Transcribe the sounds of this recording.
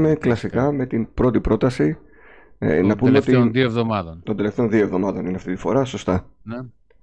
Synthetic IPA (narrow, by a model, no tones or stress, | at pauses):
me̞klɐsikɐme̞t̪inpɾo̞t̪ipɾo̞t̪ɐsḭ | nɐpumeot̪nðioevðomɐðont̪od̪eleft̪e̞o̞nðio̞evðo̞mɐðo̞nineɐft̪it̪ifo̞ɾɐso̞st̪ɐn